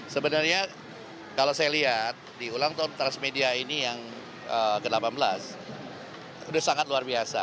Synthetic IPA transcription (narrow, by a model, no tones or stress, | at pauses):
səbənarɲa | kalosajaliɦat̪̚diulaŋt̪ant̪ɾansmediainijaŋ | əkədlapanbəla̰s | udahsaŋat̪̚luarbiasa̰